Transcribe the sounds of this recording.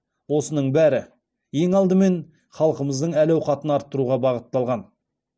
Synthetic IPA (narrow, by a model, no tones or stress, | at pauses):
wo̞sənəɴbæɾɪ | je̞ŋɑlˠd̪əme̞n | χɑlˠəqəməzd̪əɴælæwqɑt̪ənɑɾt̪ːəɾuʁɑbɑʁət̪ːɑlˠʁɑn